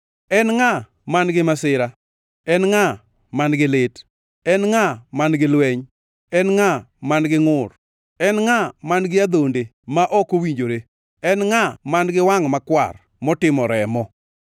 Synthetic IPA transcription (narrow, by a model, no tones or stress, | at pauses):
ɛnŋa | manɡɪmasɪɾa | ɛnŋa | manɡɪlɪt | ɛnŋamanɡɪlwɛɲ | ɛnŋamanɡɪŋʊr | ɛnŋamanɡɪad̪onde | maʔɔkowiɲd͡ʒoɾe | ɛnŋamanɡɪwaŋmakwa̰r | mɔtɪmɔɾɛmɔ